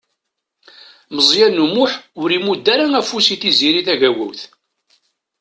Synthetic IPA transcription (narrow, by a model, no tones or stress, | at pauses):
məzˤjænːumʊħʊɾimud̪ːæɾaŋæfusiθiziɾiθæʝæwæ̰wθ